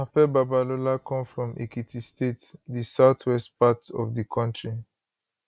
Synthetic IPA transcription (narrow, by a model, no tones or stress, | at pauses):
afɛbabalolakʰɔ̃mfɹɔ̃mʔḛkitʰistetdisaʊtʰwɛstpatɔ̰vdikʰɔ̃ntɹi